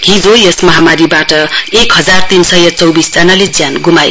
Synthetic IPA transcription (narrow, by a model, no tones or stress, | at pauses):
ɦid͡zojesmʌɦamaɾibaʈʌekɦʌd͡zart̪insʌjʌt͡sʌwbisd͡zanaled͡zjanɡumaj